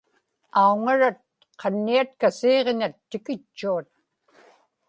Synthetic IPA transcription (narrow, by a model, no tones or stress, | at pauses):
auŋaɻat̪̚ | qʰɑnːiat̪̚kaseːʁeɲat̪ːɪkɪt͡ʃːuat̪̚